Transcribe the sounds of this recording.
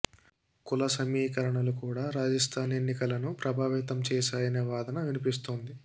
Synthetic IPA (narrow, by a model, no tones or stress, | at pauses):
kulɐsɐmiːkɐɾɐɳɐlukuːɽaːɾaːd͡ʒɐst̪ʰaːnenːikɐlɐnupɾɐbʱaːʋit̪ɐmt͡ʃɛːʃaːjɐneʋaːd̪ɐnɐʋinipis̬t̪oːnd̪i